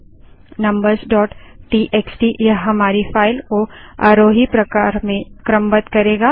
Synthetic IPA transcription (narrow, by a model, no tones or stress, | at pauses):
nɐ̃mbəɾzɖɔːʈʈiːʔeːksʈijɐɦɦɐmaːɾifaːɪlkoaːɾoːɦipɾɐkaːɾmẽkɾə̃mbət̪kɐɾeːɡaː